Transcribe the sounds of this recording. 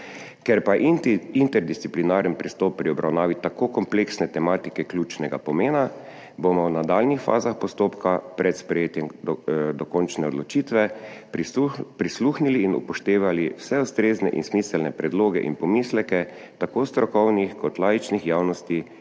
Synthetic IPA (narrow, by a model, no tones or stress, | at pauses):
kɛɾpaʔint̪ɛɾd̪ist̪siplinaɾənpɾist̪ɔːpːɾiɔbɾʔawnaːʋit̪akokɔmpleksnɛt̪ɛmaːt̪ikɛklʲjut͡ʃnɛɡa̰pɔmeːna | bomɔwnad̪aːlnixfa̰ːzaxpɔst̪oːpkapɾɛt̪spɾɛjeːt̪jɛmd̪ɔkɔnt͡ʃnɛɔd̪lɔt͡ʃiːt̪ʋɛ | pɾisluːxniliːnṵpɔʃt̪eːʋaliwsɛust̪ɾeːznɛʔḭnsmiːsɛlnɛpɾɛd̪loːɡɛ̰ʔḭnpɔmiːslɛkɛ | t̪akoːst̪ɾɔkɔwnixkɔt̪laːjit͡ʃnixjaːwnɔst̪i